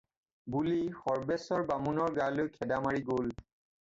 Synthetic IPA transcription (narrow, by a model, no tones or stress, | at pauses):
bulixɔɹbɛsɔɹbamunɔɹɡalojkʰɛdamaɹiɡol